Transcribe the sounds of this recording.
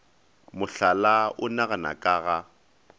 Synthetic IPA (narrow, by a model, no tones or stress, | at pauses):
mʊɬalaʔʊnaɣana̰kʼaːɣa